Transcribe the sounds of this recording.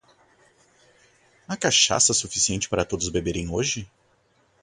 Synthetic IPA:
akaʃa̰sɐsufi̥siẽnt͡ʃɪ̥paɾɐt̪od̪ʊzbebeɾẽj̃oʒɪ

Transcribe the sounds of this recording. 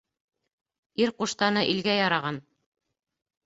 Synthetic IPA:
iɾquʃt̪ɑnɤʔilɡæjɑɾɑʁɑn

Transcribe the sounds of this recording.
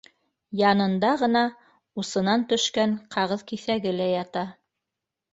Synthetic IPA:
jɑnɤ̆nd̪ɑʁɤ̆nɑ | usɤ̆nɑnt̪ɵ̆ʃkæŋqʰɑʁɤðkiθæɡɘlæjɑt̪ɑ

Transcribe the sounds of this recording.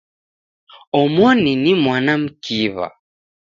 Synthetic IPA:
ɔmɔninimwanam̩kiβa̰

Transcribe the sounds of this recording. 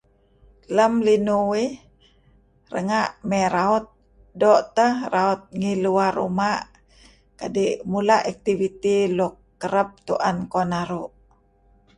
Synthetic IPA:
ləmlinuwih | rə̰ŋaʔmɛɾaut̪̚ | dɔʔt̪əhraut̪̚ŋiluarːṵmaʔ | kadiʔmulaʔak̚t̪ivit̪ilukːəɾəp̚t̪uʔankonaɾuʔ

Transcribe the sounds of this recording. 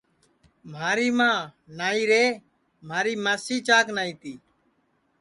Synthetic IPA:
m̤aːɾiːmãːnaːiːɾeː | maːɾiːmaːsiːt͡ʃaːknaːiːt̪iː

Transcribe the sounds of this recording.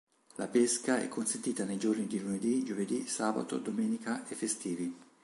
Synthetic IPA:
lapeskaɛ̰kʰːonsent̪iːt̪anejd͡ʒornid̪iluned̪id͡ʒoved̪isaːba̰t̪o̰d̪omɛːnikaʔefːest̪iːvi

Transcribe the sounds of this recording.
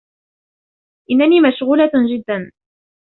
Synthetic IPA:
ʔɪnːaniːmaʃɣuːlad͡ʒɪd̪ːan

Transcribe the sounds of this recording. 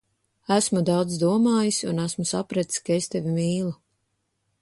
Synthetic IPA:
æsmud̪awd̪zd̪uɔmaːjisunæsmusapɾɛt̪skaest̪evimiːlˠu

